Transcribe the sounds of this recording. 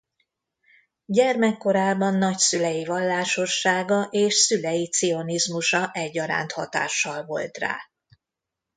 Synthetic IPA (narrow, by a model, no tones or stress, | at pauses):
ɟɛrmɛkːo̞ɾaːbɒnːɒcsylɛjivɒlːaːʃo̞rʃaːɡɒʔeːʃsylɛjit̪sio̞nizmuʃɒʔɛɟːɒɾa̰ːnt̪hɒ̰t̪a̰ːʃːɒlvo̞lt̪ra̰ː